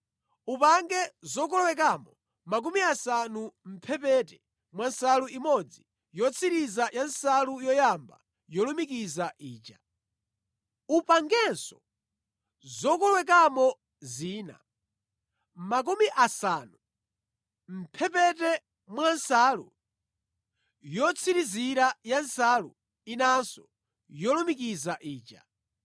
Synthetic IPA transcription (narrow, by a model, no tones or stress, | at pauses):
upaŋɡɛzɔk̬ɔlwɛk̬amɔ | mak̬umiasanum̩pʰɛpɛtɛ | mwansaluimɔd͡zi | jɔt͡sʰiɾizajansalujɔjamba̰ | jɔlumikizaʔiːt͡ʃa | upaŋɡɛnsɔ | zɔkɔlwɛk̬amɔ | ziːna̰ | mak̬umiʔasaːnu | m̩pʰɛpɛtɛ | mwansalṵ | jɔt͡sʰiɾiziɾajansalṵ | inansɔ | jɔlumik̬izaʔiːt͡ʃa̰